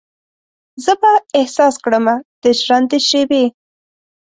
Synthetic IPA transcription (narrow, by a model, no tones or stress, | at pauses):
zəbaɪhsɑskɽəmad̪̥əʒɾand̪əʃebe